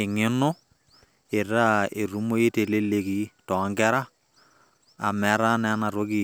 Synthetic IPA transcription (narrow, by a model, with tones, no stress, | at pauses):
ɪ˨ŋɪ˦nʊ˦ | e˨ɾa˦e˨ɾu˦mo˦e˦te˨le˦le˨ki˨tɔ˨˦ŋɡɛ˦ɾa˦ | a˨mɛ˨˦ɾa˦nɛ˨˦na˨ɾo˦ki˨